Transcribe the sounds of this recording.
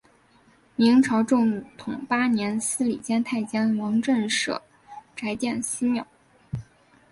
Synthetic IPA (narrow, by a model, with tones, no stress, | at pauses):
mi˧˥ŋʈ͡ʂʰɑ˧˥ʊʈ͡ʂʊ˥˩ŋt̪ʰʊ˨˩ŋpa˥njɛ˧˥nsɹ̩˥lḭ˨˩t͡ɕjɛ˥nt̪ʰa˥˩ɪt͡ɕjɑ˥nwɑ˧˥ŋʈ͡ʂə˥˧nʂɤ̰˨˩ | ʈ͡ʂa˧˥ɪt͡ɕjɛ˥˧nsɹ̩˥mjɑ˥˩˦ʊ